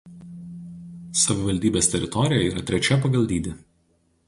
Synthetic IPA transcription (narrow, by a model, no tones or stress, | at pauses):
sɐʋʲɪʋɐlʲd̪ʲiːbʲeːsʲt̪ʲɛɾʲɪt̪ɔɾʲɪjɛiːɾɐt̪ʲɾʲɛt͡ʃʲɛpɐɡɐlʲˠd̪ʲiːd̪ʲɪ